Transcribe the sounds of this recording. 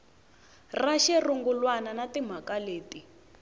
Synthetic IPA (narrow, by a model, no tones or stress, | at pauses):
raʃɛruŋɡulwananatim̤akaleːti